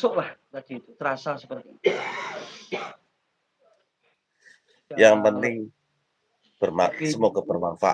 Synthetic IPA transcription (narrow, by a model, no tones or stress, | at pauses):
sʊʔlaht̪ad̥it̪ut̪əɾasasəpərt̪ii | jaŋpənɪŋ | b̥ərmasəmɔkəbərmanfa̰